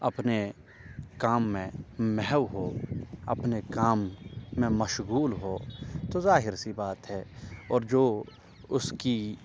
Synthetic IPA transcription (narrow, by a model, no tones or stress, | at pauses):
ɐpne | kaːmːẽmɛɦwɦoːɐ̰pnekaːmːẽmɐʃɣuːlɦoːt̪ozaːɦɪɾsibaːt̪ɦɛːɔːɾd͡ʒoː | ʊski